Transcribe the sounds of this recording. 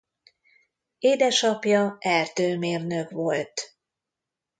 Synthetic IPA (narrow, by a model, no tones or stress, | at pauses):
eːd̪ɛʃɒpjɒɛrt̪øːmeːrnøkʋo̞lt̪